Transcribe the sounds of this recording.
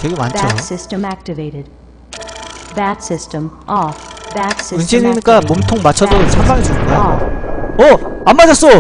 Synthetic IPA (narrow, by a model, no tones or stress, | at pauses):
keɡemanʰosɪstə̃mæk̚tɨveɪɾɪd̥̚ | bætsɪstə̃mʔɔbæsɪɯnɕʰininik͈amomtʰoŋmat͡ɕʰʌdot͡ɕʰambaŋis͈ʌda | ʌamːad͡ʑʌs͈o